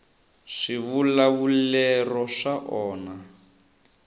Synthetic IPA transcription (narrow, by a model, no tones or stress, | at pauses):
ʂiβulaβulɛrɔʂaʔɔːna